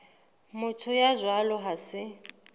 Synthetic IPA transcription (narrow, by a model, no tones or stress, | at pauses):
mʊtʰʊjazwalɔɦasɪ